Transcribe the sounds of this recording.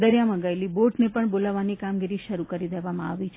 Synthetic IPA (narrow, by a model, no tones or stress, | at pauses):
d̪əɾjaməɡaeliboʈnepəɳbolaʋanikamɡiɾiʃəɾukəɾid̪eʋamãa̰ʋit͡ʃʰ